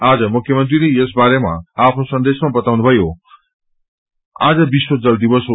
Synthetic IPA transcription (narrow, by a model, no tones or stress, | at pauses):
aːd͡zʌmukʰjʌmʌnt̪ɾiɾiesbaɾema̰apʰnosʌnd̪esmabʌt̪awnubʱʌjo | a̰d͡zʌbiswod͡zʌld̪ibʌs